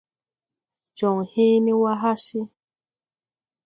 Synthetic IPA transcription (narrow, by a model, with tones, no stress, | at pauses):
d͡ʒɔ˨ŋ˨he˦ni˦wa˦ɦa˦si˦